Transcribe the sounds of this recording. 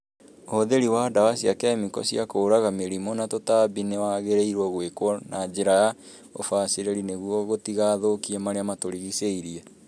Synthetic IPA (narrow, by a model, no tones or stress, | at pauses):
ooðeɾiwadawasiakɛːmikɔ̰siakoːɾaɣameɾimonatotabinewaɣeɾeiɾwɔɣwekwɔnad͡ʑeɾaja | o̰faːseɾeɾineɣwɔɣotiɣaːðokiɛmaɾeamatoɾiɣiseiɾiɛ